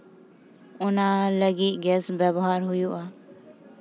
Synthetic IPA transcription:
ʊnaːləɡiːɡɛːsbjəbɦaːɾɦʊjoːʔaː

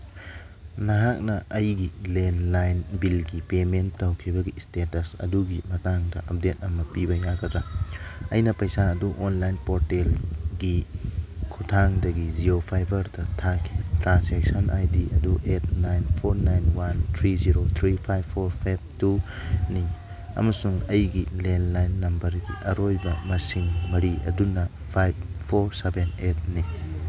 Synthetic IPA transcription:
nɐɦak̚nɐʔɐjɡilenlajnbilɡipemenːɐwkʰibɐɡistetɐsɐ̰duɡimɐtaŋdɐʔɐp̚det̚ɐmɐpibɐjaɡɐtɾɐɐjnɐpɐjsaɐduʔonlajnpoɾtelɡi | kʰutʰaŋdɐɡiziɾopʰajbʱɐɾdɐtʰakʰitɾansek̚sɐnʔajdiɐduʔet̚ʰnajnpʰoɾnajnwant̪ʰɾiziɾot̪ʰɾipʰajbʰoɾpʰajb̚tuni | ɐ̰mɐsuŋɐjɡilenlajnːɐmbɐɾɡiʔɐɾojbɐmɐsiŋmɐɾiʔɐ̰dunɐ | pʰajbpʰoɾsebenet̚ni

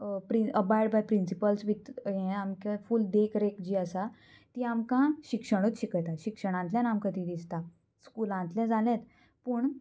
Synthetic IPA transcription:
pɾiəbajɖbajpɾinsipəlsʋit̪jɛ̃amkãfuld̪ekɾekd͡ʑiːəsa | t̪iːamkãɕikʂəɽ̃ut̪ɕikjt̪aɕikʂəɽ̃ãnt̪ljãnamkət̪iːd̪ist̪a | skulãnt̪lɛ̃d͡zalɛ̃t̪ | pəːɳ

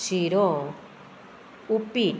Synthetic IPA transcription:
siɾɔ | upi

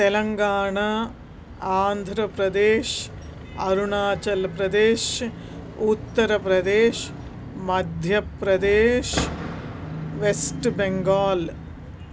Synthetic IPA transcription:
t̪elɐŋɡaːɳɐ | aːnd̪ʱɾɐpɾɐd̪eːʃ | ɐɾuɳaːt͡ʃɐlpɾɐd̪eːʃ | ut̪ːɐɾɐpɾɐd̪eːʃ | mɐd̪ʱjɐpɾɐd̪eːʃ | ʋesʈbeŋɡaːl

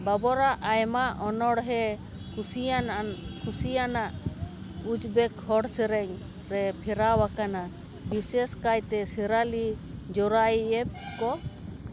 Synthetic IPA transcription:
babɔɾaʔajmaʔɔnɔɽɦɛ | kʰusiankʰusijanaʔ | ud͡ʒbɛkhɔɽsɛɾɛɲ | ɾɛpʰɛɾawakana | bisɛskajt̪ɛsɛɾali | d͡ʒɔɾajɛb̚kɔ

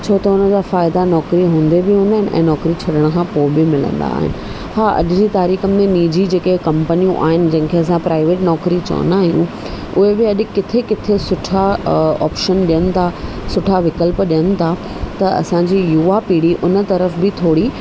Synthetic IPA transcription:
t͡ɕʰoːt̪ɐʊnəd͡ʑaːfaːɪd̪anɔːkɾiɦũːnd̪ebɪɦũːnd̪aːɦɪn̆ʔɛ̰̃ːnɔːkɾit͡ɕʰɐɗəɽ̃̆kʰãːpoːɪbɪmɪlə̰̃nd̪a̰ːɦɪ̰nɪ̆ | haːʔɐ̰ɗɪd͡ʑit̪aːɾiːxəmẽniːd͡ʑid͡ʑeːkekɐ̃mpənijũʔa̰ːɦɪnɪ̆d͡ʑɐ̃ɦɪ̃kʰeɐsãpɾaːɪʋeːʈnɔːkɾit͡ɕɐ̰ʋə̰naːɦijṵ̃ | ʊɦebɪɐɗɪkːɪt̪ʰekɪt̪ʰesʊʈʰaɔ̰ːpʃənɗijənɪ̆t̪ʰasʊʈʰaʋɪkəlpɗijənɪ̆t̪ʰa | t̪ɐɐ̰sãɲd͡ʑijuːapiːɽiʔʊnə̆t̪ɐɾəfbɪt̪ʰoːɽi

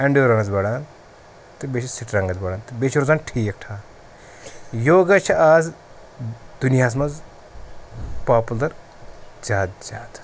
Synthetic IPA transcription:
ɐɳɖjoːɾɐŋɡɐt͡sbɐɽaːn | t̪ɨbet͡ʃʰisiʈɾɐŋɡɐt͡sbɐɽaːnt̪ɨbet͡ʃʰiɾozaːnʈʰiːek̚ʈʰaː | joːɡɐt͡ʃʰɐaːz | d̪unijaːs̬mɐz | paːpulɐɾ | d͡ʒaːt̪̚d͡ʒaːt̪

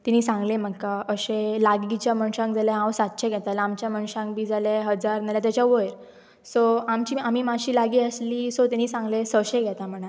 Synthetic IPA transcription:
t̪iniːsãŋɡlem̤əkkːaəɕelaɡit͡ɕjamənɕãŋɡd͡zaljaɦãwsat̪ɕʰeɡʱɛt̪alamt͡ɕjamənɕãŋɡbʱiːd͡zalaɦəd͡zaɾnaljat̪jat͡ɕjaʋəjɾ | soamt͡ɕiːamiːmaɕiːlaɡiːəsliːsot̪iniːsãŋɡlesəɕẽɡʱɛt̪am̤əɽ̃a

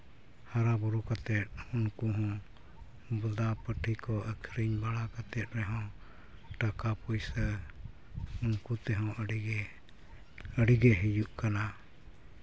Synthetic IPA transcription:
haɾabɔɾukat̪ɛt̪̚unkuɦɔ̃ | bud̪apəʈʰikɔʔəkʰɾiɲbaɽakat̪ɛt̪̚ˀɾɛɦɔ̃ | ʈakapujsə | unkut̪ɛɦɔ̃ʔəɽiɡɛ | əɽiɡɛɦijuʔkana

